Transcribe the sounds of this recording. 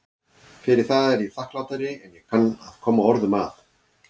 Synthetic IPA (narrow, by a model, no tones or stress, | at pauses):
fɪɾɪɾ̥θaðɛɾiθahklawt̪aɾɪɛnjɛɣ̥kʰanaðkʰɔːmːaɔɾðʏmaθ